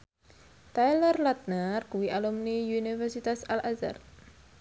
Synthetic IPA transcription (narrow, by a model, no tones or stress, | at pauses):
t̪ajlərlat̪̚narkuwiʔalumniunifɛrsit̪asalaza̰r